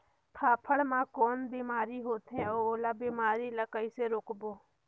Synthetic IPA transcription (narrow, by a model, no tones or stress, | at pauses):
p̪ʰaːpʰəɽmãːkoːnbiːmaːɾiːɦoːt̪ʰɦẽːoːlaːbiːmaːɾiːlaːkəiːseːɾoːkboː